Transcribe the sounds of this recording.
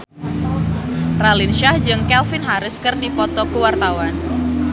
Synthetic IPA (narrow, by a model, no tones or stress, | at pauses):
ralinʃahd͡ʒɨŋkɛlfɪnɦaɾɪskɨrdipɔt̪ɔkuwart̪awan